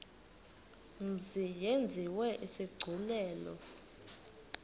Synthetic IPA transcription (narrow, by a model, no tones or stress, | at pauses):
m̩zijend͡zʱiwɛʔisiɡ͡ǀʱulɛːlɔ